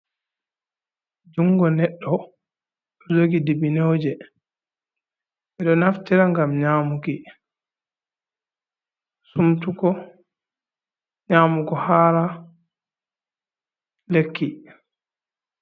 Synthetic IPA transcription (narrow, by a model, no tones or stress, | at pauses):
d͡ʒuŋɡɔnɛɗːɔ | ɗɔd͡ʒoɡidibinowd͡ʒɛ | ʔɛɗɔnaftiɾaŋɡamɲaːmuki | sumtukɔ | ɲaːmukɔhaːɾa | lekʰːi